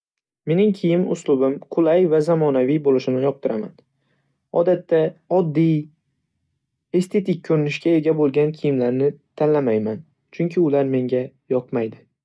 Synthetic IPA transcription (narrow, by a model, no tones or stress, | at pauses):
me̞nɪŋkʲʰɪjɪmʊ̰slˠʊbɪmqʰʊlˠajvazamɒnavijbolɪʃɪmnɪjɒq̚t̪ʰɪɾama̰n | ɒ̰d̪at̪ːaɒd̪ːij | e̞st̪ʰe̞t̪ɪk̚ʲkʰːɵɾɪnɪʃkʲae̞ɡʲabolˠɡʲankʲʰɪjɪmlaɾnɪt̪ʰallːamajman | t͡ʃʰʊŋkʲʰɪʊlaɾme̞ŋɡʲa | jɒqmajd̪ɪ